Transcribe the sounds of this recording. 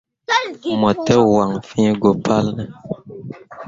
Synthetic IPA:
mɔ˨tə˦wa˨ŋfĩ˦ɡo˨pʰa˦lnə˨

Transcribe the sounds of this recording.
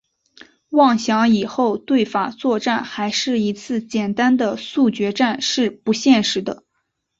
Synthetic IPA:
wɑ˥˩ŋɕjɑ˧˥ŋi˨˩xo˥˧ʊt̪we˥˩ɪfa˨˩t͡swɔ˥˧ʈ͡ʂa˥˩nxa˧˥ɪʂɻ̩˥˩i˧˥t͡sʰɹ̩˥˩t͡ɕjɛ˨˩nt̪a˥nd̪ə˨su˥˩t͡ɕɥɛ˧˥ʈ͡ʂa˥˧nʂɻ̩˥˩pu˧˥ɕjɛ˥˩nʂɻ̩˧˥d̪ə˧

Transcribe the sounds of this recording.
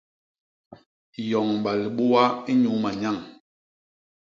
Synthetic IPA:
jɔ˨ŋɓa˨li˨ɓu˦a˦i˦ɲu˨˦ma˨ɲa˦˨ŋ

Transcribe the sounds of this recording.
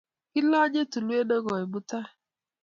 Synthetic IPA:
kɪ˦lɔ˦d͡ʒe˦tu˨lu˦e˦do˦ɡɔ˨i˨bu˦ta˦

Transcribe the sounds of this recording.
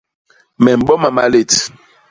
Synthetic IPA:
mɛ˨m̩˨ɓɔ˦ma˨ma̰˦le˦˨t

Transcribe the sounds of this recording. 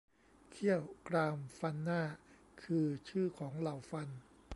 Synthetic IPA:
kʰi˥˩əwkɾaː˧mfa˧nːaː˥˩ | kʰɯː˧t͡ɕʰɯː˥˩kʰɔː˩˦ŋla˨˩wfa˧n

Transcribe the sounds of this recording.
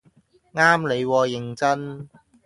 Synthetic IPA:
ŋaː˥mle˨˧jwɔː˧jɪ˨ŋt͡sɐ˥n

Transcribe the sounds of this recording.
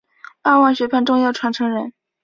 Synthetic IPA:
a˥˧wa˥˩nɕɥɛ˧˥pʰa˥˧nʈ͡ʂʊ˥˧ŋjɑ˥˩ʊʈ͡ʂʰwa˧˥nʈ͡ʂʰɤ˧˥ŋɻə˧˥n

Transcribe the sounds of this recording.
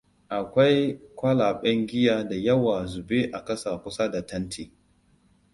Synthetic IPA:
ʔa˨kʷa˦jkʷɐ˦laː˨ɓɐ˦ŋɡʲɪ˦jaː˨da˨jɐ˦wa˨zʊ˨be˦ʔa˨kɐ˦sa˨kʷʊ˦sa˦da˨tɐ˦ntʰiː˨

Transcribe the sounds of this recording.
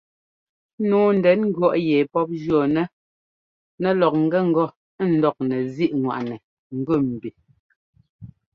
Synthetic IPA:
nuː˨˦n̩˨dɛ˨˦nŋ̩˦ɡɥɔ˦˨ʔjɛ˨pɔ˦p̚d͡ʒɔ˨nɛ˦ | nɛ˨lɔ˨k̚ŋ̩˦ɡɛ˦ŋ̩˦ɡɔ˦˨˦ | n̩˨˦dɔ˦k̚nɛ˨zi˦ʔŋwa̰˨ʔnɛ˨ | ŋ̩˨ɡʉ˦˨m̩˨bi˨

